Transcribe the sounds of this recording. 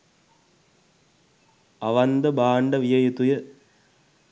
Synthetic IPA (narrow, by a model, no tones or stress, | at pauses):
ɐʋɐnd̪ɐbaːɳɖɐʋɪjɐjɐt̪ujɐ